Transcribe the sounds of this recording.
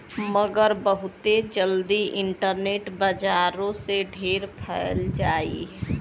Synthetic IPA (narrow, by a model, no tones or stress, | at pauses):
məɡəɾbəɦʊt̪ed͡ʒəld̪iʔɪɳʈəɾneʈbəd͡ʒaɾõseɖʱeɾpʰəɪld͡ʒaḭ